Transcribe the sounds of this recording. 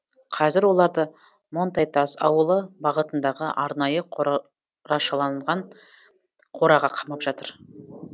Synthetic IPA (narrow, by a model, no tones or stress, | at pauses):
qʰɑzɪɾwolˠɑɾd̪ə | mo̞nt̪ɑjt̪ɑsɑ̰wəlˠəbɑʁət̪ənd̪ɑʁəʔɑɾnɑjə | ɾɑʃɑlˠɑnlˠʁɑɴ | qʰo̞ɾɑʁɑqʰɑmɑpʒ̥ɑt̪əɾ